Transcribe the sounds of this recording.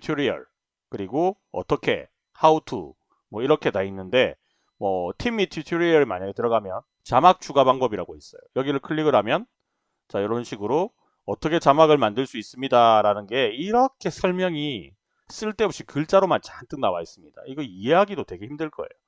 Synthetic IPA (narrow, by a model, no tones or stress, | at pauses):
tʰiɾiʌ̰ɭ | kɯɾiɡo | ʌ̰t͈ʌkʰe̞̰ | hautʰṵ | mwʌiɾʌkʰe̞nainːɯnde̞ | mwʌtʰimitʰitʰiɾiʌɾimaɲaɡetɯɾʌɡamjʌn | t͡ɕamak̚t͡ɕ͈uɡabaŋbʌbiɾaɡois͈ʌjojʌɡiɾɯɭkʰɯɭːiɡɯɾɦamjʌn | t͡ɕajʌɾʌɯnɕʰiɡɯɾo | ʌt͈ʰʌkʰe̞t͡ɕamaɡɯɭmandɯɭs͈uis͈ɯmɲidaɾanɯnɡe̞iɾʌkʰe̞sʰʌɭmjʌŋi | s͈ɯɭt͈e̞upɕ͈ikɯɭt͡ɕ͈aɾomant͡ɕant͈ɯkŋnawais͈ɯmɲid̥a̰iɡʌieɦaɡidotwe̞ɡe̞çimdɯɭk͈ʌ̰e̞̰jo